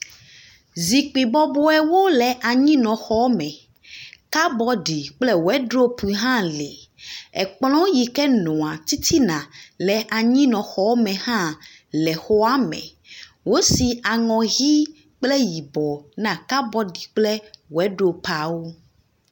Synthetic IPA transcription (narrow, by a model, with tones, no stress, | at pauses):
zi˨k͡pi˨bɔ˦bɔ˦ɛ˦wo˦lɛ˨ʔa˨ɲĩ˦nɔ̃˨xɔ˦mɛ̃˨ | ka˦bɔ˦ɖi˨k͡plɛ˦wɛ˦ɖɾo˦pu˨i˨˦ɦã˦le˨ɛ˨k͡plɔ̃˦ji˨kɛ˦nɔ̃˨a˨t̪i˦t̪ʰi˦nã˨lɛ˨ʔa˨ɲĩ˦nɔ̃˨xɔ˦wmɛ̃˨hã˦ | lɛ˨xo˦a˦mɛ̰̃˨ | wo˦si˨a˨ŋɔ̃˨ɣi˦ | k͡plɛ˦ji˨bɔ˨nã˦ka˦bɔ˦ɖi˨k͡plɛ˦wɛ˨˦ɖo˦pa˨wo˦